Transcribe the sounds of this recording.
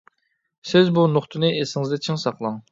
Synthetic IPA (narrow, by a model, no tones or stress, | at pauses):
sɪzbunoχt̪ʰɨnɨʔesɪŋɪzd̪ɛt͡ʃʰɪŋsɑqlˠɑŋ